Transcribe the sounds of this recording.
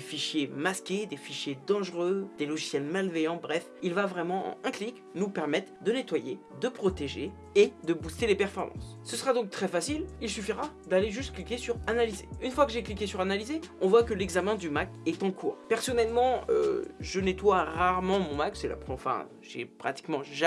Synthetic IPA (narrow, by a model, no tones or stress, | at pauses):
d̥̪efiʃjemaskʲed̪efiʃjed̪ɑ̃ʒʁød̪̥elɔʒisjɛlmalvɛjɑ̃bʁɛfilvavʁɛmɑ̃ɑ̰̃ɛ̃klik | nupɛʁmɛt̪χd̪ənet̪waje | d̪əpχɔt̪eʒe | ed̪əbust̪elepɛʁfɔʁmɑ̰̃sːəsəʁad̪ɔ̃k̚t̪χɛfasililsyfiʁa | d̪aleʒyst̪̚klikʲesyʁanalizeynfwakəʒeklikʲesyʁanalizeɔ̃vwakəlɛɡzamɛ̃d̪ymakɛt̪ɑ̃kʰuːʁpɛʁsɔnɛlmɑ̃ø̰ʒənet̪waʁaʁmɑ̃mɔ̃maksɛla̰pχfɛ̰̃ | ʒḛpχat̪i̥kmɑ̃ʒ